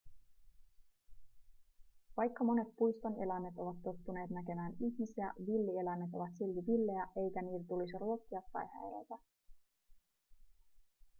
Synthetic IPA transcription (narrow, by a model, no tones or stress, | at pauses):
ʋɑjkːɑmo̞ne̞t̪̚pujst̪o̞ne̞læmːe̞t̪o̞ʋɑt̪ːo̞t̪ːune̞ːt̪næke̞mæːniçmisiæ̰ʋilːie̞læmːe̞t̪o̞ʋɑt̪silt̪iʋilːe̞jæʔe̞jkæniːt̪æt̪ulisiruo̞kːiɑpːɑ̰jhæ̰ḛlæ̰t̪æ